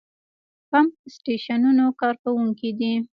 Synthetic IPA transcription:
pamsʈeʃanunokɑɾkawuŋkid̪i

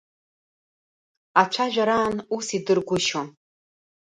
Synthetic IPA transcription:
at͡ʃʷʰaʒᶣaɾaːnusidɨrɡʷʊʃon

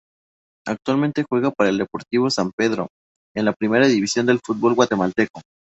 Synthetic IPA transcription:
ak̚t̪walmẽnt̪e̞xwe̞ɣapaɾaeld̪e̞po̞ɾt̪iβ̞o̞sampe̞ðɾo̞̰ | e̞nlapɾime̞ɾaðiβisjo̞nd̪e̞lfut̪̚bo̞lɣwat̪e̞malt̪e̞ko

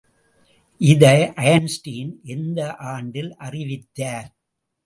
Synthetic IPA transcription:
ʔɪðɐʔɐjɐnsʈiːnʔɛnd̪ɐʔaːɳɖɪlʔɐrɪʋɪt̪ːaːɾ

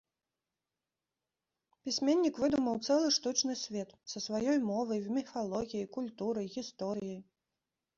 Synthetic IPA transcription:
pʲisʲmʲenʲːikvɨd̪umɐwt̪sɛlˠɨʂt̪ut͡ʂnɨsʲvʲɛt̪sɐsvajɔjmɔvɐjmʲifalˠɔɣʲijijkulʲt̪uɾɐjɣʲist̪ɔɾɨjij

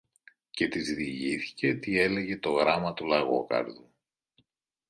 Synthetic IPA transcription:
ce̞t̪izðiʝiθi̥ce̞t̪ie̞le̞ʝe̞t̪o̞ɣɾɐmɐt̪ulɐɣo̞̰kɐ̰ɾðu

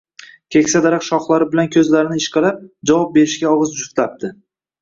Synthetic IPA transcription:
kʲʰe̞kʲsad̪aɾaqʃɒχlˠaɾɪbɪlankʲʰɵzlaɾɪnɪɪʃqɨlap̚d͡ʒavɒp̚be̞ɾɪʃɡʲaɒʁɨzd͡ʒʊft̪lap̚t̪ʰɪ

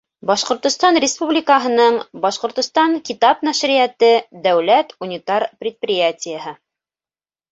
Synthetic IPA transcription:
bɑʃqŏɾt̪ŏst̪ɑnrʲɪspublʲɪkəɦɤ̆nɤɴbɑʃqŏɾt̪ŏst̪ɑɴkʲit̪ɑpnæʃɾɪjæt̪ɘd̪æwlæt̪unʲit̪ɑɾprʲɪt̪̚prʲɪjatʲɪjəɦɤ

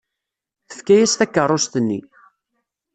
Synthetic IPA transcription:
θə̥fkæjæst̪ækːərˤːost̪ənːi

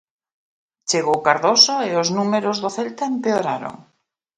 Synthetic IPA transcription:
t͡ʃeɣowkaɾðosoeʊznumeɾozðoθɛlt̪aempeoɾaɾo̰ŋ

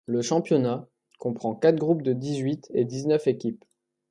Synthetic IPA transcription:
ləʃɑ̃pjɔna | kɔ̃pχɑ̃kat̪χɡʁup̚d̪əd̪izɥit̪ed̪iznœfekʲip

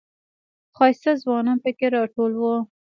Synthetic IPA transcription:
xɑjsazwɑnɑnpəkeɾɑʈolwə

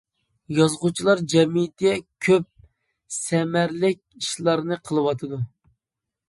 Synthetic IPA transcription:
jɑzʁut͡ʃʰilˠɑɾd͡ʒɛmit̪ɛkʲʰøp̚ | sɛmæɾlɪk̚ʲiʃlˠɑɾnɨqʰəlˠɨwɑt̪ʰɨd̪u

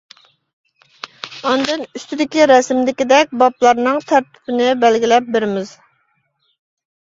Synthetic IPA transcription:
ɑnd̪ɨnyst̪ʰɪd̪ɪkʲiɾɛsmd̪ɪkʲid̪ɛk̚ʲbɑplˠɑɾnɨŋt̪ʰæɾt̪ʰɪ̥pʰɪnɪbælɡʲilɛp̚beɾɪmɪz̥

